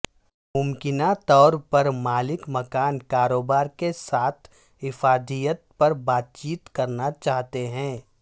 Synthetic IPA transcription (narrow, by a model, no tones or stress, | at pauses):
mʊmkɪnat̪ɔːɾpɐɾmaːlɪkmɐkaːnkaːɾoːbaːɾkesaːt̪ʰ | ɦɪfaːd̪ʱijət̪̚pɐɾbaːt̪̚t͡ʃiːt̪kɐɾnat͡ʃaːɦt̪eɦɛ̃ː